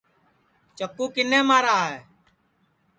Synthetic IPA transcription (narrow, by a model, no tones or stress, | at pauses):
t͡ʃəkːuːkɪnẽːmaːɾaːɦeː